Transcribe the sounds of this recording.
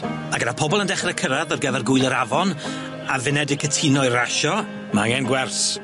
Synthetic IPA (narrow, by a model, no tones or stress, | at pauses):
maɡənapʰɔbɔlˠəndɛχrɛkʰəɾaðɔrɡəvɛrɡʊɨlˠəɾavɔn | avɪnɛdɪkʰətʰinɔɨraʃɔ | maŋɛnɡwɛrs